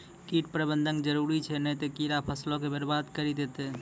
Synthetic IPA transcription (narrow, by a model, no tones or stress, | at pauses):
kiʈpɾəbənd̪ʱənd͡ʒəɾuɾit͡ʃʰɛnɛjt̪ekiɾapʰəslokebəɾbad̪kəɾid̪et̪e